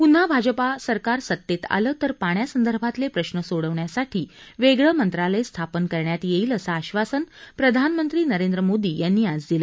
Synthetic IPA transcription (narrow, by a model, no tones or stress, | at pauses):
pun̤abʱad͡ʑəpasəɾkaɾsət̪ːet̪a̰ləːt̪əɾpaɳjasənd̪əɾbʱat̪lepɾəɕnəsoɽəʋɳjasaʈʰiːʋeɡɭəmənt̪ɾaləjst̪ʰapənkəɾɳjat̪jeiːləsaːɕʋasənpɾəd̪ʱanmənt̪ɾiːnəɾend̪ɾəmod̪iːjanːiːad͡zd̪ilə